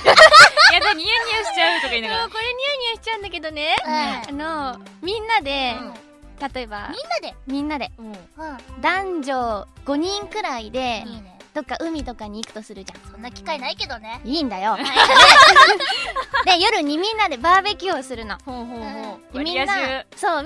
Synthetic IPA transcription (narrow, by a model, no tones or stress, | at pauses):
jaaɯɲʲɯːɕi̥t͡ɕaɯt̪okaĩnaoko̞ɾe̞ɲ̟ʲɨːɲ̟ɨ̟ːɕi̥t͡ɕaɯ̟̃nd̪ake̞d̪o̞ne̞anomʲĩnːad̪e̞ | t̪at̪o̞eba̰mʲinːad̪emʲĩnːad̪e̞ | d̪ãɲd͡ʑoɡ̥o̞ɲ̟ĩŋkɯ̟ɾaid̪e̞d̪̥o̞kːaʔɯ̟mʲit̪o̞kaɲ̟iːkɯ̟̥t̪o̞sɨɾɯ̟d͡ʑã̰sõnːakʲi̥kainaike̞d̪o̞neiːnd̪ajo | d̪e̞jo̞ɾɯ̟ɲ̟ːimʲĩnːad̪e̞baːbe̞kʲioːsɨɾɯ̟no̞ɦod̪emʲĩːaso̞ː